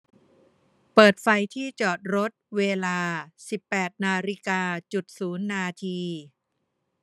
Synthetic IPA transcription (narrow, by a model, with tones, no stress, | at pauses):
pɤː˨˩t̪̚fa˧jt̪ʰiː˥˩t͡ɕɔː˨˩t̪̚ɾo˦˥t̪̚weː˧laː˧si˨˩pːɛː˨˩t̪̚naː˧ɾi˦˥kaː˧t͡ɕu˨˩t̪̚suː˩˦nːaː˧t̪ʰiː˧